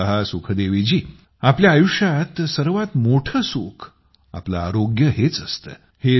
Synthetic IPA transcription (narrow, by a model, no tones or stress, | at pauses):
əɦasukʰəd̪eʋid͡ʑiː | apljaːjuʂjat̪səɾʋat̪moʈʰəsukʰ | a̰plaːɾoɡjəɦet͡səst̪ə̰ː | he